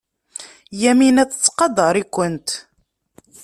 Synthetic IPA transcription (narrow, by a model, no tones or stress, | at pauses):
jæminæt͡sːə̥t͡sːqɑd̪əɾˤikʷːənt̪